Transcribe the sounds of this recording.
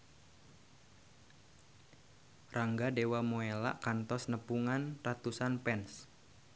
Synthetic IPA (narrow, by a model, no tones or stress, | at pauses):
raŋɡadewamoela̰ʔkant̪ɔsnəpuŋanrat̪usanpɛns